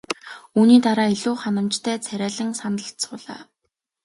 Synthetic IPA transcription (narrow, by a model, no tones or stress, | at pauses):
uːniːt̪aɾaːeɮuːχanə̆mt͡ɕt̪ʰæːt͡sʰæɾʲæːɮɘ̆ŋsanə̆ɬt̪sʊːɮa̰ː